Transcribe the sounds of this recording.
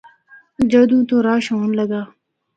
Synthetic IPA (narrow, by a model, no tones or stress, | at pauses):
d͡ʒad̪ũːt̪oːɾaːʃoːnləɡaː